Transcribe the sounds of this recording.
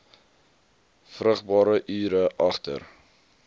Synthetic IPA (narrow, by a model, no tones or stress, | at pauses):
frəχbɑːɾəʔyːɾəʔɐχtə̰r